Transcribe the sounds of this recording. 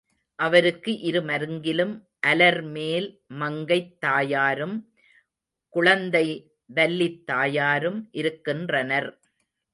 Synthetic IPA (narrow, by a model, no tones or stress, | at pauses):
ʔɐʋɐɾɯkːɯʔɪɾɯmɐɾɯŋɡɪlɯm | ʔɐlɐɾmeːl | mɐŋɡɐɪt̪ːaːjaːɾɯm | kʊɻɐnd̪ɐɪ | ʋɐlːit̪ːaːjaːɾɯmʔɪɾɯkːɪndrɐnɐɾ